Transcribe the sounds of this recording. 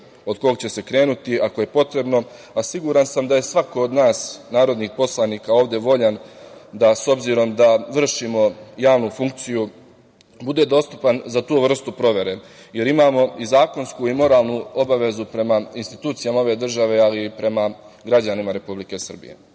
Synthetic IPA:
o̞d̪ko̞ɡ̚t͡ɕe̞se̞kɾe̞ːnut̪iako̞je̞po̞t̪ɾe̞bno̞ | asiɡuɾansamd̪aje̞sʋako̞od̪naːsnaːɾo̞d̪nixpo̞slˠaniːkao̞ːʋd̪eʋo̞ʎand̪aso̞bziɾo̞md̪aʋr̩ʃimo̞jaːʋnufuŋk̚t̪siju | bud̪e̞d̪o̞ːst̪u̥panzat̪uːʋr̩st̪upɾo̞ʋe̞ɾe̞ | je̞ɾimaːmo̞izaːko̞nskuimo̞ɾaːlˠnuo̞baʋe̞zupɾe̞mainst̪it̪uːt̪sijamaoʋe̞d̪r̩ʒaʋe̞alipɾe̞ma | ɡɾad͡ʑanimaɾe̞publike̞sr̩bḭjḛ

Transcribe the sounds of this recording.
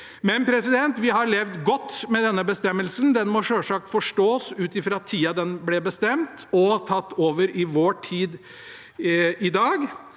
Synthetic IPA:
mɛnpʰɾɛsɪd̪ɛnt̪ʋɪɦɑɾɭɛʋd̪ɡɔt̪ːmɛd̪ɛnːəbəst̪ɛmːəlsənd̪ɛnmɔʂøːʂɑːk̚t̪fɔʂʈoːsʉːt̪ɪfɾɑɑt̪ʰːiːɑd̪ɛnblɛbəst̪ɛmt̪ɔt̪ʰɑt̪ːoːʋəɾɪʋoːʈʰiːd̪ | ɪd̪ɑːɡ

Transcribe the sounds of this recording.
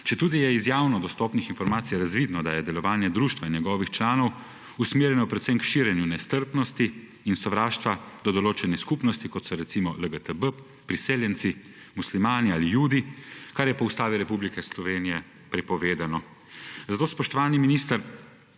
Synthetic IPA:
t͡ʃɛt̪uːd̪ijɛizjaːwnɔd̪ɔst̪ɔːpnixinfɔɾmaːt̪sijɾazʋid̪nɔd̪ajɛd̪ɛlɔʋaːnjɛd̪ɾuːʃt̪ʋainjɛɡɔːʋixt͡ʃlaːnɔw | usmeːɾjɛnɔpɾɛt̪sɛmkʃiːɾjɛnjunɛst̪əɾpnɔst̪iː | nsɔʋɾaːʃt̪ʋad̪ɔd̪ɔloːt͡ʃɛniskupnɔst̪ikɔt̪sɔɾɛt̪simɔləɡət̪əbə | pɾiseːljɛnt̪si | muslimaːnialijuːd̪ikaɾjɛpɔust̪aːʋiɾɛpublikɛslɔʋeːnijɛ | pɾɛpɔʋeːd̪anɔ | zat̪oːspɔʃt̪ɔʋaːniminist̪əɾ

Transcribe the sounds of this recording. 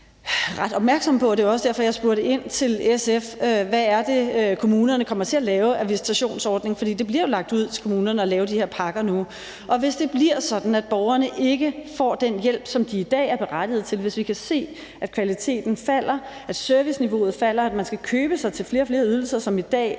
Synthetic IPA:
ʁad̥ɒ̽b̥mæɐɡ̥sɒ̽mpʰɒ̽d̥e̝ɒ̽səd̥æɐ̰fɒjɑ̈ɪsb̥uɐɾ̥eʔe̝n̰t͡sʰe̝leseføʋææɐd̥e̝kʰo̝muːnɐnəkʰɒ̽m̰ɐt͡sʰe̝ælɛːʊæʋisi̥t͡sʰæɕo̝̰ːnsɒːd̥ne̝ŋfɒ̽d̥ḭːd̥e̝b̥liɐjo̝lɑ̈ɡ̥̚d̥uð̞̰ˠt͡sʰe̝lkʰo̝muːnɐnəɒ̽lɛːʊd̥ihe̝ɐ̰pʰɑ̈ɡ̥ɐnu | ʔɒ̽ʋe̝sd̥e̝b̥liɐsɒ̽d̥n̩æd̥̚b̥ɒʊɐnəʔe̝ɡ̥əfɒ̰ːd̥enjel̰b̥sɒ̽md̥iːd̥ɛ̰ːæɐb̥e̝ʁad̥ið̩ˠt͡sʰe̝lʋe̝sʋikʰæse̝̰ː | æd̥̚kʰʋælit͡sʰe̝̰ːd̥n̩fæl̰ɐ | æd̥søɐʋisniʋo̝ːð̞̩ˠfæl̰ɐæd̥mænsɡ̥ækʰøːb̥əsɑ̈ɪt͡sʰe̝lfle̝ːɐfle̝ːɐyð̞ˠl̩sɐsɒ̽mid̥ɛ̰ː

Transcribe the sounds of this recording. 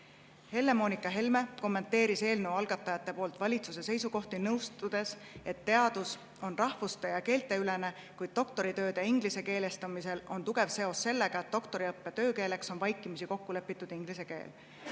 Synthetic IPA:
he̞lːe̞mo̞ːnikːˑɑɦe̞lme̞ko̞mːe̞nt̪ːe̞ːɾise̞ːlnewɑlɡ̥ɑt̪ːˑɑjɑt̪ːˑe̞po̞ːlt̪ˑvɑlʲit̪suse̞se̞jsuko̞ht̪inɤwst̪ud̪̥e̞s | e̞t̪ːe̞ɑd̪̥us | o̞nrɑhvust̪ejɑke̞ːlt̪ːˑe̞ylene̞ | kujd̪̥̚t̪o̞k̚t̪o̞ɾit̪ø̞ːd̪e̞iŋɡ̥lise̞ke̞ːle̞st̪ɑmise̞lo̞nt̪uɡ̥e̞vse̞o̞sːe̞lːe̞ɡ̥ɑet̪̚ːo̞kt̪o̞ɾiɤpːe̞t̪ø̞ːke̞ːle̞kso̞nvɑjkːˑimisiko̞kːule̞pːˑit̪ːˑud̪̥iŋɡ̥lise̞ke̞̰ːl

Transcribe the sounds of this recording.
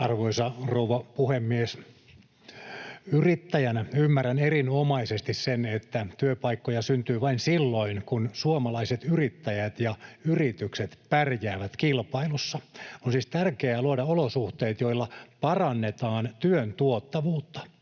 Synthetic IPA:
ɑrʋoisɑrouʋɑpuhemːies | yrit̪ːæjænæymːærænerinomɑisest̪issenet̪ːæt̪yøpɑikːojɑsynt̪yːʋɑinsilːoinkunsuomɑlɑiset̪yrit̪ːæjæt̪jɑyrit̪ykset̪pærjæːʋæt̪kilpɑilusːɑonsiːst̪ærkeæːluodɑolosuht̪eit̪joilːɑpɑrɑnːet̪ɑːnt̪yønt̪uot̪ːɑʋuːt̪ːɑ̥

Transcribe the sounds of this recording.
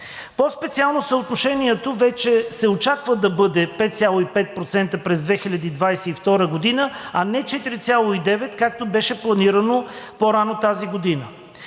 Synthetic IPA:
pospɛt̪sialˠnosəot̪noʃɛniɛt̪ovɛt͡ʃɛsɛot͡ʃakvəd̪ɐbɤd̪ɛpɛt̪̚t̪sʲjalˠoipɛt̪̚pɾot̪sɛnt̪əpɾɛzd̪vɛxilʲɐd̪iːd̪vajsɛift̪ɔɾəɡod̪inəɐnɛt͡ʃɛt̪iɾit̪sʲalˠoid̪ɛvɛt̪kak̚t̪obɛʃɛplˠɐniɾənopoɾanot̪aziɡod̪inə

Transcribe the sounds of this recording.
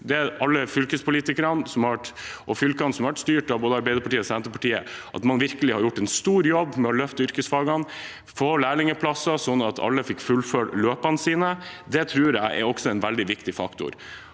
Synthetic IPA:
d̪ɛæɾʔɑlːəfʏlkəspʊliːt̪ɪkəɾɑnsɔmhɑʋæʈʔɔfʏlkɑnsɔmhɑʋæʈst̪yːʈɑʋboːd̪əɑɾbɛɪd̪əɾpʰɑʈiːəɔsɛnt̪əpɑʈiːə̰ʔɑ̰t̪mɑnʋɪɾkəlɪhɑɾjʊʈːɛnst̪uːɾjɔbːmɛɔlœft̪əʏɾkəsfɑːɡɑn | foːlæːɭɪŋəpʰlɑsɑsɔnːɑt̪ʰɑ̰lːəfɪkːfʉlføɽløːpɑnsiːnəd̪ɛt̪ʰɾʉːɾjæɪʔɛ̰ɾɔksɔɛnʋɛld̪ɪʋɪkt̪ɪfɑ̰kt̪ʊ̰ɾ

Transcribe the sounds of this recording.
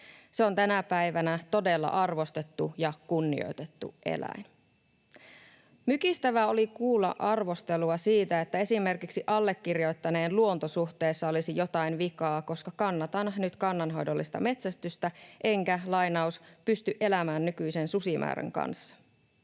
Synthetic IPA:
seo̞nt̪ænæpæjʋænæt̪o̞de̞lːɑ̰ʔɑrʋo̞st̪e̞t̪ːujɑkunːḭo̞̰jt̪e̞t̪ːṵʔḛlæ̰in | mykist̪æʋæo̞likuːlːɑ̰ʔɑrʋo̞st̪e̞luɑsiːt̪æe̞t̪ːæe̞sime̞rkiksiʔɑlːe̞kːirjo̞jt̪ːɑne̞ːnluont̪o̞suht̪e̞ːsːɑo̞lisijo̞t̪ɑinʋikɑːko̞skɑkɑnːɑt̪ɑnnyt̪kɑnːɑnɦo̞̰jdo̞lːist̪ɑ̰me̞t̪sæst̪yst̪æʔe̞ŋkælɑjnɑuspyst̪yʔe̞læmæːnːykyjse̞nsusimʔæ̰ːɾæ̰ŋkɑ̰nsːɑ̥

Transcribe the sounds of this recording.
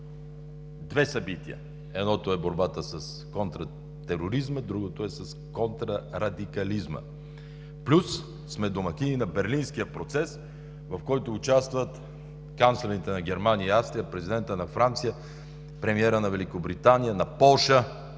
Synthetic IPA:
d̪vɛsɐbit̪iə̰ | ɛd̪nɔt̪oɛboɾbat̪əsəs | kont̪ɾə | t̪ɛɾoɾizməd̪ɾuɡot̪oɛsəskont̪ɾəɾɐd̪ikɐlizmə̰ | plʲusː | mɛd̪omɐkʲininɐbɛɾlinskijəpɾot̪sɛs | vɐfkɔjt̪oːt͡ʃast̪vət̪ | kanslɛvɛnit̪ɛnɐɡʲɛɾmanijəiafst̪ɾijəpɾɛzʲid̪ɛnt̪ənɐfɾant̪sijə | pɾɛmiɛɾənɐvɛlikobɾit̪anijənɐpɔlˠʃə

